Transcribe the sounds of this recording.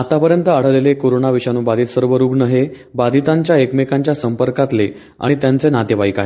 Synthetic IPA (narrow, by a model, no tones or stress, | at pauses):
at̪apəɾjənt̪əaɽ̤əʋlelekoɾonaʋiɕanuːbad̪ʱit̪səɾʋəɾuːɡnəɦe | bad̪ʱit̪aɲt͡ɕjaekmekaɲt͡ɕjasəmpəɾkat̪le | a̰ɽ̃it̪jant͡senat̪eʋaikaɦe